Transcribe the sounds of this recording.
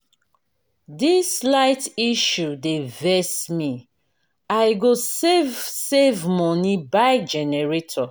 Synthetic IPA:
dislaɪtiʃudevɛsmi | ajɡosevsevmɔnibajd͡ʒɛnɛɹetʰɔ

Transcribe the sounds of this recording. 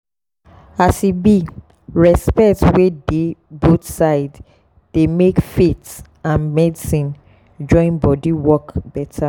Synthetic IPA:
asibi | ɹɛspɛktwedebot̪saɪd | d̥emekfet | ãnmɛdisĩn | d͡ʒɔ̃ĩnbɔdiwɔkbɛtʰa

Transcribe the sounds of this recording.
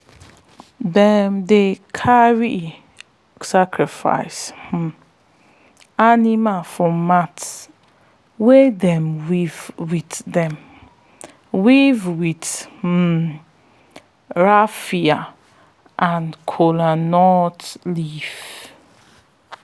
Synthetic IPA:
dɛmdekʰaɹi | sakʰɹifa̰ɪsh̩ | animafɔmat | wedɛ̃mwivwitdɛ̃m | wivwit̩ | ɹafia | ʔãnkʰolanɔtlif

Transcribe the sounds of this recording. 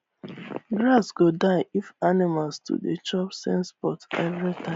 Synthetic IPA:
ɡɹasɡodaɪʔifanimalstʰṵdet͡ʃɔpsɛ̰̃nspɔtɛvɹitʰãɪ

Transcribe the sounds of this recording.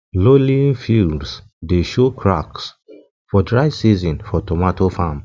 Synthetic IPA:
lolĩnfilds | deʃokʰɹa̰ks | fɔdɹaɪsizɔ̃nfɔtɔmatofam

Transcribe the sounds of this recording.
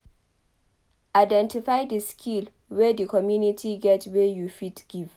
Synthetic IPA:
ʔaɪdɛ̃ntifajdəskʰil | wedəkɔmjunitʰiɡɛtwejufitɡ̥iv

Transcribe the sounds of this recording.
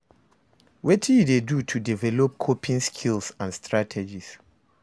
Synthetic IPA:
wɛtʰijudedutʰudivɛlɔp̚kʰopʰĩnskʰilsãnstʰɹatʰɛd͡ʒis

